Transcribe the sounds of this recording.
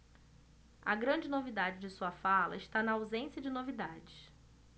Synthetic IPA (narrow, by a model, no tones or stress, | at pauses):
ɐ̰ɡɾɐ̃d͡ʒɪnovid̪ad͡ʒɪd͡ʒɪsuɐfalɐ̰ɪʃt̪anɐawzẽsjɐd͡ʒɪnovid̪ad͡ʒɪs